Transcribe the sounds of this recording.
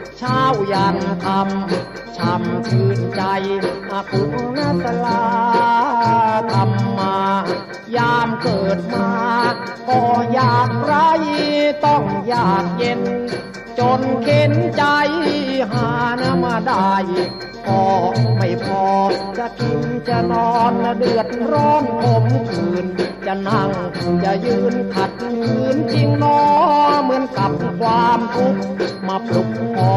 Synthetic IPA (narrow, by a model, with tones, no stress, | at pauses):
t͡ɕʰaː˧˥˩wja˨˩ŋt̪ʰa˧m | t͡ɕʰa˧mkʰɯː˧nt͡ɕa˧jʔa˧ku˧˦a˧na˧˥˩sʰa˧laː˧ | t̪ʰa˧mːaː˧ | jaː˧mkɤː˨˩t̪̚maː˧˩ | k̪ɔː˧˩jaː˨˩k̚ɾa˦˧˥jt̪ɔ˧˩ŋjaː˨˩k̚je˧n | t͡ɕo˧nkʰe˧˥nt͡ɕa˧jɦaː˨˩˦na˧˥maː˧˩da˧˩j | pʰɔː˧˩ma˧˩jpʰɔː˧t͡ɕa˧˨k̪ʰu˧mt͡ɕa˧˩nɔː˧˩na˧˩dɯ˨˩ət̪̚pʰɾɔː˧˥˩mkʰo˧˦mk̪ʰɯː˨˩nt͡ɕa˧˩na˧˩ŋt͡ɕa˧˩jɯː˧nk̪ʰa˨˩t̪̚kʰɯː˨˦˥nt͡ɕi˧ŋnɔː˧˦mɯ˨˦ənka˧˦p̚kʰwaː˧mt̪ʰu˦˥k̚maː˧pʰlu˧˩k̚ɔː˨˧˦